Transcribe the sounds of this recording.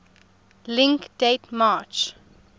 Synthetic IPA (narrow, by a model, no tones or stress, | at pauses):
lɪ̃ŋkd̥etmaːt͡ʃ